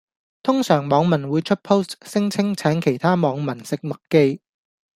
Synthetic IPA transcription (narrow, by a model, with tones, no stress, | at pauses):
t̪ʰʊ˥ŋsœː˨˩ŋmɔː˨˧ŋmɐ˨˩nwuː˨˧jt͡ʃʰɵ˥t̚pʰo˥wssɪ˥ŋt͡sʰɪ˥ŋt͡sʰɛː˨˥nkʰe˨˩jt̪ʰaː˥mɔː˨˧ŋmɐ˨˩nsɪ˨k̚mɐ˨kkːe˥j